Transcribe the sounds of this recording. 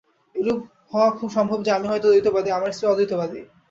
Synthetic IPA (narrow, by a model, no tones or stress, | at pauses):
ɾub | hɔoakʰubʃɔmbʱobd͡ʑamiɦɔjt̪od̪ojt̪obad̪iamaɾeseɔd̪ujt̪obad̪i